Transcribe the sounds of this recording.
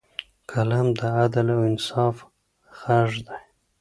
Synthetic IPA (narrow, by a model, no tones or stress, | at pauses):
kʰalamd̪əad̪alawɪnsɑːf | xaʒd̪aj